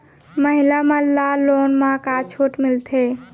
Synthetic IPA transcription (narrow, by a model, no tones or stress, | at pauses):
məɦilamãlaloːnmãkat͡ʃʰoːʈmɪlt̪ʰe